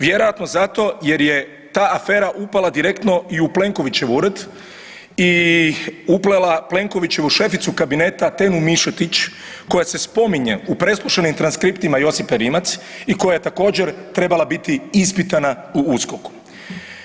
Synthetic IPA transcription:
ʋjeɾo̞jat̪no̞zat̪o̞je̞ɾje | t̪aːafe̞ːɾaʔupalad̪iɾe̞kt̪no̞iuple̞ŋko̞ʋit͡ɕe̞ʋuɾd̪ | i | uplelaple̞ŋko̞ʋit͡ɕe̞ʋuʃe̞fit̪sukabine̞ːt̪at̪e̞numiʃot̪it͡ʃ | ko̞jase̞spo̞miɲe̞̰upɾe̞splˠuʃenimt̪ɾanskɾipt̪imajo̞sipeɾimat̪s | iko̞jaje̞t̪ako̞ːd͡ʑe̞ɾt̪ɾe̞balabit̪iispit̪ana | uuskoku̥

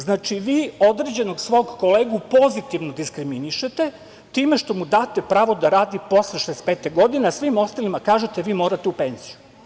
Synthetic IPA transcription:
znaːt͡ʃiʋiːo̞d̪ɾed͡ʑe̞no̞ɡsʋo̞ːɡko̞leːɡupo̞zit̪iʋnod̪iskɾiminiʃet̪e̞ | t̪iːme̞ʃt̪o̞mud̪aːt̪epɾaːʋo̞d̪aɾaːd̪ipo̞sleʃespeːt̪eɡo̞d̪ineasʋimo̞st̪alimakaːʒet̪eʋiːmo̞ːɾat̪eupe̞nz̥iju

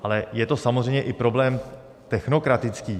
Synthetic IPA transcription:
ʔalɛjɛt̪o̞samozrɛjmɲɛʔɪpɾo̞blɛːm | t̪ɛxno̞kɾat̪ɪt͡skiː

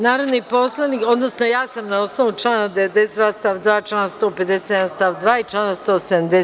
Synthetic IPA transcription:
naːɾoʋnipo̞slˠaniːko̞d̪no̞sno̞jaːsamnao̞snoʋut͡ʃlˠaːnad̪eed̪e̞sed̪ʋaːst̪aʋd̪ʋaːt͡ʃlaːnast̪o̞ːpe̞d̪ese̥jed̪anst̪aːʋd̪ʋaːit͡ʃlaːnast̪o̞ːsed̪amd̪e

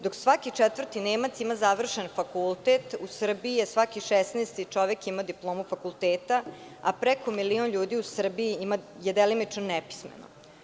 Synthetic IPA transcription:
d̪o̞ksʋakit͡ʂɛt̪ʋr̩t̪ineːmat̪simazaʋr̩ʃenfakulˠt̪et̪usr̩biijesʋakiʃesneːst̪it͡ʂoʋekimad̪iplˠoːmufakulˠt̪eːt̪a | a̰pɾekomilionʎuːd̪iusr̩biiimajed̪elinit͡ʂnonɛpi̥smḛno̰

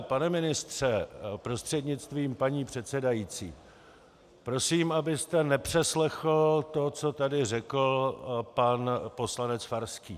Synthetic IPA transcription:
panɛmɪnɪst̪r̝̥ɛpɾo̞st̪r̥ɛdɲɪt͡st̪viːmpaɲiːpr̝̥ɛt̪t͡sɛdajit͡sḭː | pɾo̞siːmʔabɪst̪ɛnɛpr̝̥ɛslɛxl̩t̪o̞t͡so̞t̪adɪrɛkl̩panpo̞slanɛt͡sfaɾskiː

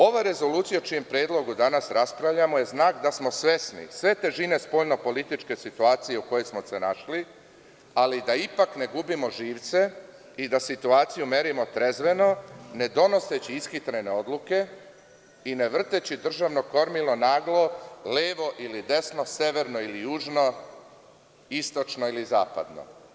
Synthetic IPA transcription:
o̞ʋaɾe̞zo̞luːt̪sijaot͡ʃijempɾeːd̪lˠo̞ɡud̪anasɾaspɾaʋʎamo̞je̞znaːkd̪asmo̞sʋe̞snḭsʋe̞t̪e̞ʒine̞spo̞ːʎno̞po̞lit̪it͡ʃke̞sit̪uaːt̪sije̞uko̞jejsmo̞se̞naʃli | alid̪aipakne̞ɡubimo̞ʒiːʋt̪se̞ | id̪asit̪uaːt̪sijume̞ɾimo̞t̪ɾe̞zʋe̞no̞ne̞d̪o̞no̞set͡ɕiiskit̪ɾene̞o̞d̪luke̞ | ine̞ʋr̩t̪et͡ɕid̪r̩ʒaʋno̞ko̞ɾmilno̞naːɡlˠo̞leːʋo̞ʔilid̪e̞sno̞se̞ʋe̞ɾnoilijuːʒno̞ | ist̪o̞t͡ʃno̞iliza̰ːpa̰d̪no̞̰

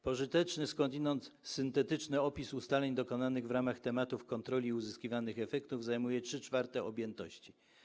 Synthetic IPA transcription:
pɔʐɘt̪ɛt͡ʂnɘskɔnd̪inɔnt̪sɘnt̪ɛt̪ɘt͡ʂnɘɔpʲisust̪alɛɲd̪ɔkɔnanɘɣvɾamaxt̪ɛmat̪ufkɔnt̪ɾɔlʲiuzɘskʲivanɘxɛfɛkt̪uvzajmujɛtʂɘt͡ʂfaɾt̪ɛɔbʲjɛnt̪ɔɕt͡ɕi

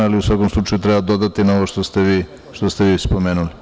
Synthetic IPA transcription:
aliusʋako̞mslˠut͡ʃajut̪ɾebad̪o̞d̪at̪inaoʋoʃt̪ost̪eʋiː | ʃt̪ost̪eʋiːspo̞meːnuli

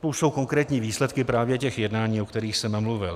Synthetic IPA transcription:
t̪ouʃso̞wko̞ŋkɾɛːt̪ɲiːviːslɛt̪kɪpɾaːvjɛcɛxjɛdnaːɲiːokt̪ɛɾiːxsɛmmluvɪl

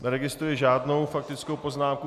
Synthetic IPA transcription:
nɛɾɛɡɪst̪ɾujɪʒaːdno̞wfak̚t̪ɪt͡sko̞wpo̞znaːmku

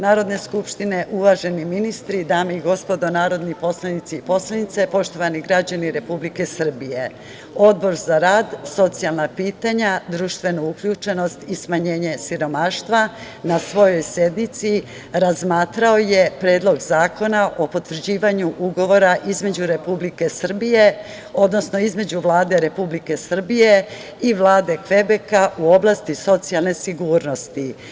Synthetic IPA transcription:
naːɾo̞d̪ne̞skupʃt̪ine̞ʔuʋaʒe̞niminist̪ɾid̪aːmeiɡo̞spo̞d̪o̞naːɾo̞d̪nipo̞slˠanit̪siipo̞slˠanit̪se̞po̞ʃt̪o̞ʋaniɡɾad͡ʑaniɾe̞publike̞sr̩bije̞ | o̞d̪bo̞ɾzaɾaːd̪so̞t̪sijalˠnapiːt̪aɲad̪ɾuːʃt̪ʋe̞noukʎuːt͡ʃe̞no̞st̪ismaɲe̞ːɲe̞siɾo̞maːʃt̪ʋa | nasʋo̞jo̞jsje̞d̪nit̪si | ɾazmaːt̪ɾao̞je̞pɾeːd̪lo̞ɡzaːko̞naʔo̞po̞t̪ʋr̩d͡ʑiːʋaɲuʔuɡo̞ʋo̞ɾaʔizme̞d͡ʑuɾe̞publike̞sr̩bije̞ | o̞d̪no̞sno̞izme̞d͡ʑuʋlˠaːd̪e̞ɾe̞publike̞sr̩bije̞ | iʋlaːd̪e̞kʋe̞bekaʔuo̞blˠast̪iso̞t̪sijalˠne̞siɡuːɾno̞st̪i

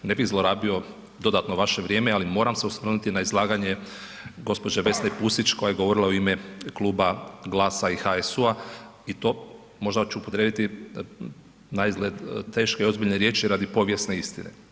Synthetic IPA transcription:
ne̞biɣzlˠoɾaːbio̞ | d̪o̞d̪at̪noʋaʃe̞ʋɾʲje̞ːmealimo̞ɾamse̞usʋr̩nut̪inaizlˠaːɡaɲe | ɡo̞spo̞d͡ʒeʋe̞snepusit͡ʃkojajeɡo̞ʋo̞ɾilˠauimekluːbaɡlˠaːsaixaesuait̪o̞ː | mo̞ʒd̪at͡ʃuupot̪ɾed̪it̪i | naizɡlʲed̪t̪e̞ːʃkeio̞zbiʎneɾje̞ːt͡ʃiɾad̪ipo̞ʋje̞sne̞ist̪inḛ

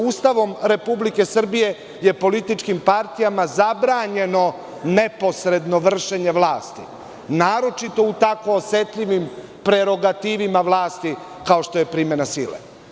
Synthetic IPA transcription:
uːst̪aʋo̞mɾe̞publike̞sr̩bije̞ | je̞po̞lit̪it͡ʃkimpaɾt̪ijamazabɾaːɲe̞no̞ | ne̞po̞sɾe̞d̪no̞ʋr̩ʃeɲe̞ʋlˠaːst̪i | naːɾo̞t͡ʃit̪o̞ut̪ako̞ːse̞t̪ʎiʋim | pɾe̞ɾo̞ɡat̪iːʋimaʋlˠaːst̪i | kao̞ʃt̪o̞je̞pɾiːme̞nasiːlḛ

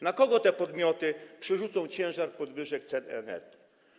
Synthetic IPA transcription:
nakɔɡɔt̪ɛpɔd̪mʲjɔt̪ɘpʂɛʐut̪sɔ̃w̃t͡ɕɛ̃w̃ʐaɾpɔd̪vɘʐɛk̚t̪sɛd̪ɛ̰nɛ̰t̪

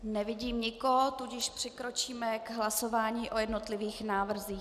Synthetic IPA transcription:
nɛvɪɟiːmɲɪkoɦot̪uɟɪʃpr̝̥ɪkɾo̞t͡ʃiːmɛɡɦlaso̞vaːɲiːʔo̞jɛdno̞t̪lɪviːxnaːvr̩ziː

